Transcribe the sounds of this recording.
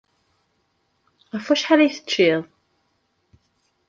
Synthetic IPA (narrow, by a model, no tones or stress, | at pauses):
æfæʃħaɾæjθə̥t͡ʃːiðˤ